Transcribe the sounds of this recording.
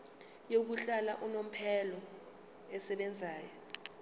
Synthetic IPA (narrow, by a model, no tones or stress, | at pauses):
jok̬uɬalaʔunom̩pʰɛlɔ | ɛsɛɓɛnd͡zʱaːjɔ